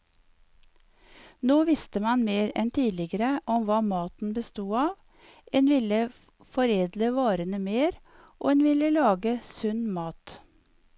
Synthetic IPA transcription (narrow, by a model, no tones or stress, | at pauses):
noːʋɪst̪əmɑnmeːɾɛ̰nt̪ʰiːlɪɡəɾəʔɔmʋɑːmɑːt̪n̩bəst̪uːɑːʋ | ʔeːnʋɪlə | fɔɾeːd̪ləʋɑːɾənəmeːɾ | ʔo̰ːeːnʋɪləlɑːɡəsʉnmɑːt̪